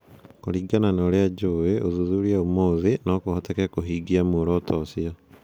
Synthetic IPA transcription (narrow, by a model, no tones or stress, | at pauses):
koɾiːɡananaɾead͡ʒoeoðuðuɾiaumoːðinokohotakekoɦiːɡiamoɾɔːtʰɔːsia